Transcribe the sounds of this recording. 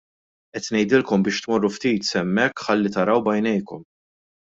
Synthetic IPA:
ʔɛt̪nɛjd̪ɪlkɔmbɪːʃt̪mɔrːuft̪iːt̪sɛmːɛkːħɐlːit̪ɐɾɐwbɐjnɛjkɔm

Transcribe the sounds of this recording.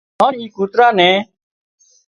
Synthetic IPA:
aːniːkuːt̪ɾaːnɛ̃ː

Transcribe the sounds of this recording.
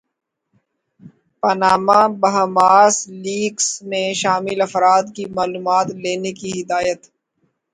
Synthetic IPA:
pɐnaːmãbɐɦamaːsliːɡsmẽʃaːmɪlɐfɾaːd̪kimaːluːmaːt̪leːnekiɦɪd̪aːjət̪

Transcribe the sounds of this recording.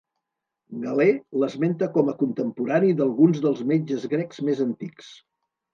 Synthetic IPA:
ɡəleləzment̪əkɔməkunt̪əmpuɾaniðəlˠɣunzðəlˠzmed͡ʒəzɣɾɛkzmezənt̪iks

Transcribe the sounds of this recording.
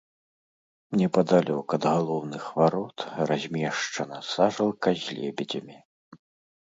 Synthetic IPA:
mnʲɛpɐd̪alʲɔkɐd̪ɣalˠɔwnɨxvaɾɔt̪razʲmʲɛʂt͡ʂɐnɐsaʐɐlˠkɐzʲlʲɛ̰bʲɛd͡zʲɐmʲi

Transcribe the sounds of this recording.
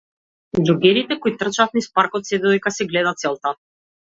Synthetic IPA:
d̪uɡɛɾit̪ɛkɔjit̪r̩t͡ʃat̪nispaɾkɔt̪sɛd̪ɔd̪ɛjkasɛɡlɛd̪at̪sɛlˠt̪a

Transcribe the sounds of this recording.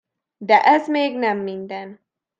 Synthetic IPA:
d̪ɛʔɛzmeːɡnɛmːind̪ɛn

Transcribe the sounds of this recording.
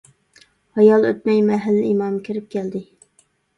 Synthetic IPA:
hɑjɑlˠøt̪̚mɛjmɛɦælːɪimɑmkʲʰiɾɪp̚kʲʰɛld̪ɪ

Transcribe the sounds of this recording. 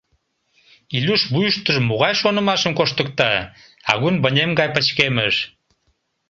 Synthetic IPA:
ilʲuʃbujəʃt̪əʒmoɣɑjʃonə̆mɑʃəmkoʃt̪ək̚t̪ɑ | ɑ̰ɣunbə̆nʲemɡɑjpət͡ɕkeməʃ

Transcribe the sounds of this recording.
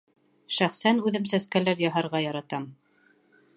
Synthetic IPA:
ʃæχsænʉðɘmsæskælæɾjɑɦɑɾʁɑjɑɾɑt̪ɑm

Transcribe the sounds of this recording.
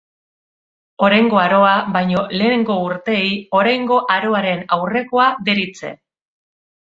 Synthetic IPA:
o̞ɾajŋɡo̞aɾo̞aβajɲo̞le̞ːneŋɡo̞uɾt̪e̞ːjo̞ɾajŋɡo̞ʔaɾo̞aɾe̞nawre̞ko̞aðe̞ɾit͡se̞̰

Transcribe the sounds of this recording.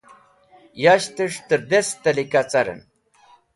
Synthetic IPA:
jaʃt̪əʂt̪əɾd̪est̪alikat͡saɾə̰n

